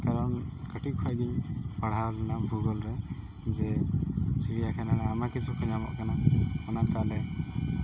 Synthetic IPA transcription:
kaɾɔnkəʈikʰɔjɡiɲpaɽ̤alanabʱuɡɔlɾɛ | zɛ | t͡ʃiɽijakʰananaːmakit͡ʃʰukʰɔɲamɔ̰ʔkanaɔnat̪alɛ

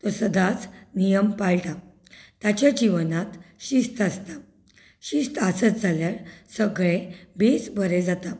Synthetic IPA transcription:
t̪ɔsəd̪at͡snijəmpaɭʈa | t̪jat͡ɕjad͡ʑiʋnat̪ɕist̪ast̪a | ɕist̪ʰasət͡sd͡zʱaljaɾsəɡɭebesbʱəɾed͡zat̪a

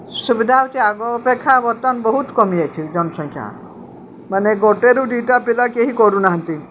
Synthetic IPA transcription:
subid̪ʱawt͡ʃiaɡɔpekʰːabɔɾt̪ɔnbɔɦut̪kɔmiat͡ʃʰid͡ʒɔnɔsɔŋkʰja̰ | maneɡɔʈeɾuɖiʈapilakeɦikɔɾunaɦant̪i

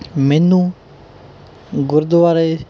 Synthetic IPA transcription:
mɛnːũː | ɡʊɾd̪oʋaːɾe

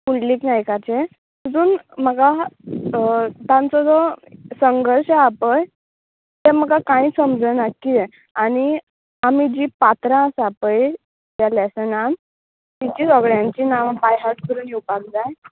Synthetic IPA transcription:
puɳliːknajkat͡ɕe | t̪d͡zuːnm̤əɡa | t̪ãnt͡sɔd͡zɔsəŋɡʱəɾɕeapəj | t̪em̤əɡakãĩːsəmd͡zənakːie | aɽ̃i | amid͡ʑiːpat̪ɾãsapəj | t̪jalɛsənan | t̪it͡ɕiːsɔɡɭjãɲt͡ɕiːnaʋbajɦaɾʈkəɾuːnjiwpak̚d͡zaj

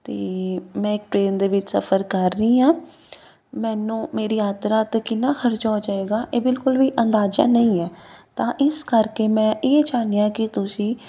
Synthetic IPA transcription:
t̪eːmɛ̃ːɪk̚ʈɾeːnd̪eːʋɪt͡ʃsə̰pʰəɾkəɾːəĩːɦãː | mɛːnũːmeːɾiːjaːt̪ɾaːt̪ːkɪnːaːxʰəɾd͡ʒaːd͡ʒaːeːɡaːʔeːbɪlkʊlʋiːʔənd̪aːd͡ʒa̰ːnəĩːɛːt̪ãːʔɪskəɾkeːmɛ̃ːʔeːd͡ʒaːnijãːkɪt̪ʊsĩː

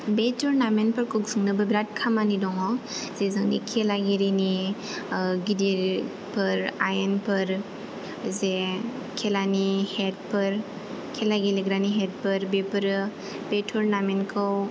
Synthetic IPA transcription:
betʰuɾnamenpɯɾkʰɯksɯŋnɯbɯbɾat̚kʰamanidɔŋɔz̥ezɯŋnḭkʰelaɡeɾini | ɡidiɾ | pʰɯɾajenpʰɯɾ | ze | kʰelanihet̚pʰɯɾ | kʰelaɡeliɡɾaniɦet̚pɯɾbepɯɾɯ | b̥etʰuɾnamenkʰɯw

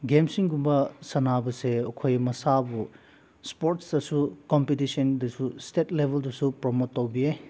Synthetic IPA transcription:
ɡemsiŋɡumbɐsɐnabɐseokʰojmɐsabu | spoɾtsdɐsukɔmpitisɔndɐsustetlebʱeldusupɾɔmotːowbie

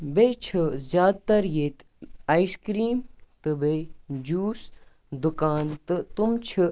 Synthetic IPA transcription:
bejt͡ʃʰɨzjaːd̪̚t̪ɐɾjeːt̪ | ɐiskɾiːmt̪ɨbejd͡ʒuːs | d̪ukaːnt̪ɨt̪umt͡ʃʰi

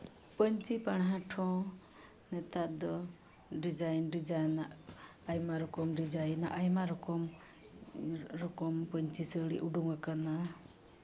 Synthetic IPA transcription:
pəɲt͡ʃipaɽ̃ɦãʈʰɔ̃ | nɛt̪ad̪ɔ | ɖid͡ʒajnɖid͡ʒajnaʔajmaɾɔkɔmɾid͡ʒajna̰ʔajmaɾɔkɔm | ɾɔkɔmpəɲt͡ʃisəɽḭʔuɖuŋakana

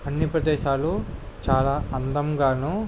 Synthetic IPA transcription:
ɐnːipɾɐd̪eːʃaːlu | t͡ʃaːlaːɐnd̪ɐmɡaːnu

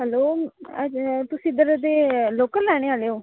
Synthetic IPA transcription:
ɦəloːəd͡ʒt̪ʊsĩːd̪əɾd̪eːloːkəllɛːɽ̃eːaːleːoː

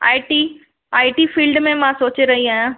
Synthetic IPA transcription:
a̰ːiʈiː | aːiʈiːfiːlɖmẽmãsoːt͡ɕeɾɐɦiaːjãː

